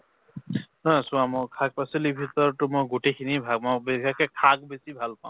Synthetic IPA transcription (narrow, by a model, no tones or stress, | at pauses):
nɔsʊ̃amɔkʰak̚pasilibʱitɔɹtʊmojɡotekʰinibʱaɡ̚mɔbixɛkɛkʰak̚besibʱalpaʊ̃